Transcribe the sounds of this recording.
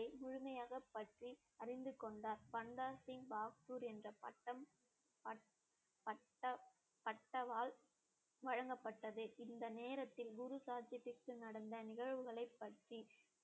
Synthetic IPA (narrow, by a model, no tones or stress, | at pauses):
ɐɪmʊɻʊmɐjaːɣɐpːɐʈri | ɐrɪnd̪ɯkːɔɳɖaːɾpɐnd̪aːsɪŋbaːkt̪uːɾɛndrɐpɐʈːɐ | ɐ | pɐ | ɐ | pɐʈːɐʋaːl | ʋɐɻɐŋɡɐpːɐʈːɐðɯʔɪnd̪ɐneːɾɐt̪ːɪlɡʊɾusaːt͡ʃɐtɪkːɯnɐɽɐnd̪ɐnɪɣɐɻʋɯɣɐɭɐɪpːɐʈri